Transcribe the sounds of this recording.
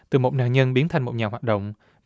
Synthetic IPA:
t̪ɨ˨˩mo˨˩t̚na̰ː˧˨nɲə˧nɓi˨˦ənt̪ʰa˨˩jŋmo˨˩t̚ɲaː˨˩ɦwaː˨˩ɗə̰˧˨wŋ͡m

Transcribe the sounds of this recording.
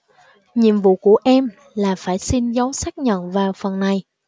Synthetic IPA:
ɲi˨əmvṵ˧˨ku˧˩əʔɛ˧m | laː˨˩faː˧˩jsi˧nzə˨˦wsaː˦˥k̚ɲə̰˧˨nvaː˨˩wfə˨˩nːa˨˩j

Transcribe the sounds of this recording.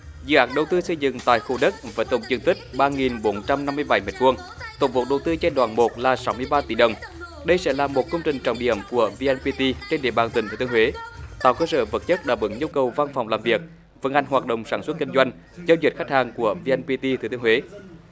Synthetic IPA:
zɨ̰˧˨ʔaː˨˦˥k̚ɗə˨˩wt̪ɨ˧sə˧jzɨ̰˧˨ŋt̪a̰ː˧˨jxu˧˩ɗə˦˥t̚vaː˨˦t̪ə̰˧˩wŋ͡mzɨ˧əŋt̪ï˦˥k̟̚ɓaː˧ŋi˨˩nɓo˨˦nt͡ɕa˧mna˧mːɨ˧əjɓa˧˩˦jme˨˩t̚vu˧əŋ | t̪o˨˧˦ŋ͡mvo˨˩ɗə˨˩wt̪ɨ˧t͡ɕe˧nɗwaː˧˩nmo˨˩t̚laː˨˩sa˨˦wmɨ˧əjɓaː˧t̪i˧˩ɗə˨˩wŋ͡m | ɗə˧jsɛ̰˧˥laː˨˩mo˨˩t̚kə˧wŋ͡mt͡ɕï˨˩ŋ̟t͡ɕɔ̰˧˨wŋ͡mɗḭ˧˩əmku˧˩əvi˧ʔɛ˧npi˧t̪i˧t͡ɕe˧nɗḭ˧˩əɓaː˨˩nt̪ï̟˨˩t̪ʰːəhwe˨˦t̪aː˨˩wkəː˧sə̰ː˧˩və˨˩t̚t͡ɕə˦˥t̚ɗaː˧˩ɓɨ̰˨˦ŋɲu˧əwkə˨˩wva˧nfa˨˩wŋ͡mlaː˨˩mvi˨˩ək̚ | və˨˦nʔa˨˩jŋ̟ɦwaː˨˩t̚ɗə̰˧˨wŋ͡msaː˧˩nswə˦˥t̚ki˧ŋ̟zwa˧jŋ̟ | za˧wzi˨˩t̚xa˦˥k̟̚haː˨˩ŋku˧˩əvi˧ʔɛ˧npi˧t̪i˧t̪ʰɨ˨˧˩t̪ɨ˧hwe˨˦

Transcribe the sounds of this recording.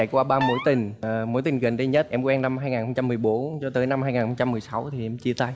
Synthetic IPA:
t͡ɕa̰˧˩jkwaː˧ɓaː˧mo̰˧˦jt̪ï˨˩ŋ̟ə˨˩mo̰˨˧˦jt̪ï˨˩ŋ̟ɣə̰˧˨˩ŋɗi˧ɲə˦˥t̚ʔɛ˧mkwɛ˧na˧mhaː˧jŋaː˨˩xə˧wŋ͡mt͡ɕa˧mːɨ˨˩əjɓo˨˦nt͡ɕɔ˧t̪əː˨˦jna˧mhaː˧jŋaː˨˩nxə˧ŋ͡mt͡ɕa˧mːɨ˨˩əjsa˨˦wt̪ʰi˨˩ʔɛ˧mt͡ɕi˧ət̪a˧j

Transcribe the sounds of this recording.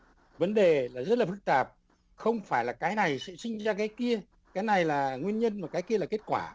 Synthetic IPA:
və˨˦nɗe˨˩laː˨˩zə˦˥t̚laː˨˩fɨ˦˥k̚t̪aː˨˩p̚ | xə˧wŋ͡mfaː˧˩jlaː˨˩kaː˨˦jna˨˩jsɛ̰˧˥sï˧ŋ̟zaː˧kaː˨˦jki˧ə | kaː˨˦jna˨˩jlaː˨˩ŋwi˧ənɲə˧nmaː˨˩kaː˨˦jki˧əlaː˨˩ke˦˥t̚kwaː˧˩

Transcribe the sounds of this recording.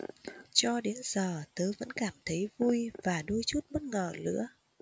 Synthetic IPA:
t͡ɕɔ˧ɗe˨˦nz̥əː˨˩t̪ɨ˨˦və̰˧˥nkaː˧˩mt̪ʰə˨˦jvu˧jvaː˨˩ɗu˧jt͡ɕu˦˥t̚mə˦˥t̚ŋəː˨˩lɨ̰˧˥ə

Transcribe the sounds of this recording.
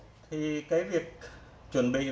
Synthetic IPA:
t̪ʰiː˧ka˧˥˦wi˧˩k̚ | t͡ɕo˨˩nbe˧

